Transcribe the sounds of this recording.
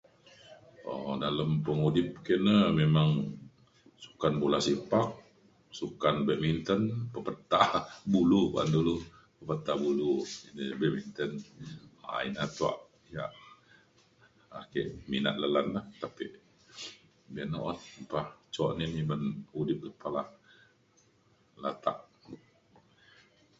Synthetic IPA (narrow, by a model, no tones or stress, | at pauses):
ɔ̰daləmpəŋudɪp̚kenəmemaŋ | su̥kanbulasipak̚ | sukanbɛʔmint̪ənpəpət̪abuluka̰ndulu | pəpət̪abuluinibɛʔmint̪əna̰ḭnat̪ua̰ʔ | ijaʔ | akɛ̰ʔmina̰ʔləlanlaht̪apiʔ | bɛnoʔɔnpaht͡ʃɔʔnimibənhudɪp̚dəpala | lat̪a̰ʔ